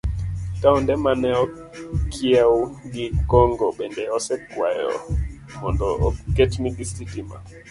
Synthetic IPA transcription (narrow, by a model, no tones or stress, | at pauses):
taɔndɛmanɛɔ | kʰiɛwuɡikɔŋɡɔɓɛndɛɔsɛkwajɔ̰ | mɔndɔːkɛtmiɡistitima̰